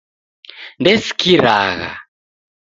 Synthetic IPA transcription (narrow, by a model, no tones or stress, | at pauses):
ndɛsi̥kʰiɾaɣa̰